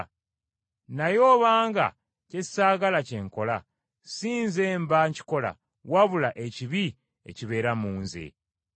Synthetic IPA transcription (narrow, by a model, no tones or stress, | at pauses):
najo̞ːβaːŋɡa̰ | ce̥saːɡalace̞ŋko̞la | siːnzeːmbaɲci̥ko̞la̰ | waβulaʔe̞ciβi | e̞̰ciβe̞ːɾamuːnzḛ